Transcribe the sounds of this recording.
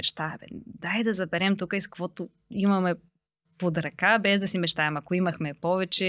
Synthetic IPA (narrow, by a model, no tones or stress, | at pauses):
ɛt͡ʃt̪abɛ̰nd̪ajd̪ɐzɐbɛɾɛmt̪ukəiskvɔt̪o | imɐmɛ | pod̪ɾɐkabɛzd̪ɐsimɛt͡ʃt̪aɛmɐkoimɐxmɛpɔvɛt͡ʃɛ